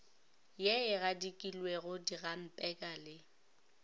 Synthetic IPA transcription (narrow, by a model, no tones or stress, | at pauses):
jɛɪɣadikʼilweɣʊdiɣam̩pʼɛkʼalɪ